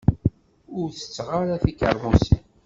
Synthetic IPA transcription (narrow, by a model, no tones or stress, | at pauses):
ʊɾθə̥t͡sːʁaɾaθikə̰ɾˤmusḭn